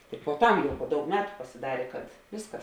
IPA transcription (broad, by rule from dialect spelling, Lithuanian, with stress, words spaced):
tʲɪk puɔˈtɐm poː ˈdɐʊk ˈmʲæːtʊ pɐsʲɪˈdɑːrʲeː kɐt ˈʋʲɪskɐs